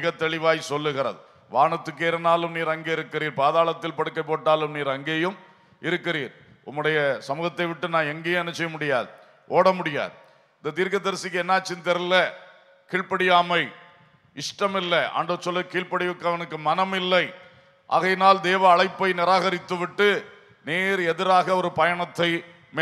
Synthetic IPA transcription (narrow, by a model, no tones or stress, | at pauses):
ɣɐt̪ːɛɭɪʋaːjsɔlːɯɣɪɾɐ̰ðɯ | ʋaːɳɐt̪ːɯk̬ːeːɾɐnaːlɯmniːɾɐŋɡeːɪɾɯkːɪɾiːɾpaːðaːlɐt̪ːɪlpɐɽɯkːɐɪp̬ːoːʈːaːlɯmniːɾɐŋɡeːjɯm | ʔɪɾɯkːɪriːɾ | ʊmːɯɽɐjɐsɐmuːɣɐt̪ːɐɪʋɪʈːɯnaːnɛŋɡeːjmɛnːɐsɛjɐmʊɽɪjaːðɯ | ʔoːɽɐmʊɽɪja̰ːðɯ | ɪnd̪ɐt̪̬iːɾkɐd̪ɐɾsɪkːɯɛnːaːt͡ʃːɪnt̪ɛɾɯlɐ | kiːɻpɐɽɪjaːmɐɪ | ɪʂʈɐmɪlːɐʔa̰ːɳɖɯt͡ʃːɔlːɐkiːɭpɐɽɪʋɯkːɯɐʋɐnɯkːɯmɐnɐmɪlːɐɪ | ʔa̰ːɣɐjnaːld̪eːʋɐːɭɐɪpːɐɪnɪɾaːɣɐɾɪt̪ːɯʋɪʈːɯ | neːɾɛðɪɾaːɣɐɔɾɯpɐjɐɳɐt̪ːɐɪ | m